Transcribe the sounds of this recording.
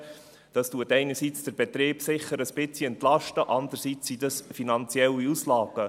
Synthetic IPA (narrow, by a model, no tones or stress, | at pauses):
d̥ɑstuət̪ɛɪnəɾsit͡sd̥əɾb̥et̪ɾeːb̥sɪχəɾəsb̥ɪt͡siɛnt̪lɑʃtəʔɑnd̪əɾsit͡sːidɑsfinɑnt͡sjɛlːiuslɑːɡ̥ə